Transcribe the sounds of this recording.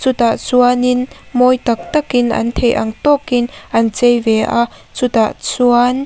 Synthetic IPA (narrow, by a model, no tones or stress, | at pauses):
t͡sut̪aʔt͡suɐnɪn | mɔjt̪ɐk̚t̪ɐkɪnʔɐ̰nt̪ʰejʔɐ̰ŋt̪ɔkɪnʔɐnt͡sejvɛʔaʔ | t͡sut̪aʔt͡suɐn